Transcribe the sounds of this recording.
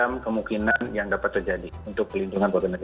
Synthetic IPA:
amkəmukinanjaŋdapat̪ːərd͡ʒadiunt̪ʊk̚pərlinduŋanpaɡanəɡa

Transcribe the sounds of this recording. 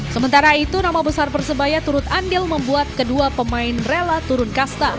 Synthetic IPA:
səmənt̪aɾait̪unamabəsarbərsəbajat̪uɾʊt̪andɪlməmbuat̪̚kəduapəmaɪnrelat̪uɾʊnkast̪a

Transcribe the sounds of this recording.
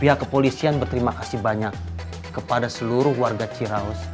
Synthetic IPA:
piɦakːəpolisianbərt̪əɾimakasihbaɲakː | əpadasəluɾʊhwarɡat͡ʃiɾaɔs

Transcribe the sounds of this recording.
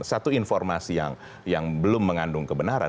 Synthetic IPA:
sat̪uinfɔrmasija̰ŋ | jaŋbəlʊmːəŋandʊŋkəbənaɾa̰

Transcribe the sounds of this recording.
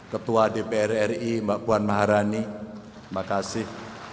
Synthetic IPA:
kət̪uwadepeɛrɛrimbaʔpuanmaɦaɾani | makasɪh

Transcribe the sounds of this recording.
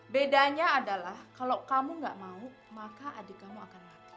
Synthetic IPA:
bedaɲaːdalahkalawkamuŋɡa̰ʔmau | makaʔadikamuakanlaki̥

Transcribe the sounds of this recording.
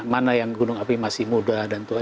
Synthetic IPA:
manajaŋɡunʊŋapimasɪhmudadant̪ua

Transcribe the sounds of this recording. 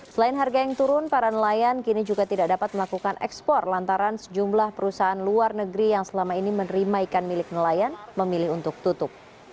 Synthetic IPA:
səlaɪnɦarɡajaŋt̪uɾʊnpaɾanəlajankinid͡ʒuɡat̪idak̚dapat̪̚məlakukanɛ̰kspɔrlant̪aɾansəd͡ʒumlahpəɾusaanluarnəɡɾijaŋsəlamainimənɾimaikanmilɪk̚nəlajanməmilɪhunt̪ʊk̚t̪ut̪ʊp̚

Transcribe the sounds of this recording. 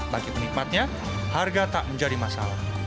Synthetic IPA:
baɡimənik̚mat̪̚ɲa | harɡat̪aʔməɲd͡ʒadimasa̰lah

